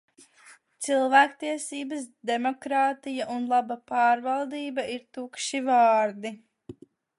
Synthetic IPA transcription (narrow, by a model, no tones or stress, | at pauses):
t̪silˠvæːkt̪iɛsiːbɐsd̪emokɾaːt̪ijaʔunlˠabapaːɾvalˠd̪iːbaʔiɾt̪ukʃivɑːɾd̪i